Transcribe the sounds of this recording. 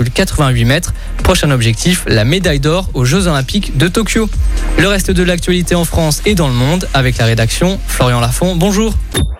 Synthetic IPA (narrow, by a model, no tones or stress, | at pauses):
ylkat̪χəvɛ̃ɥimɛt̪χ | pχɔʃɛ̃nɔbʒɛk̚t̪ʰiflamed̪ajd̪ɔʁoʒozolɛ̃pikd̪ət̪ɔkʲjoləʁɛst̪əd̪əlak̚t̪ɥalit̪eɑ̃fχɑ̃sed̪ɑ̃ləmɔ̃d̪avɛklaʁed̪aksjɔ̃ | flɔʁjɑ̃lafɔ̃bɔ̃ʒuːʁ